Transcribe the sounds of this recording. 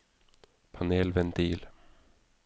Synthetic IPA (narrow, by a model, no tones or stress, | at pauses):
pʰaneːlvɛnt̪ʰiːl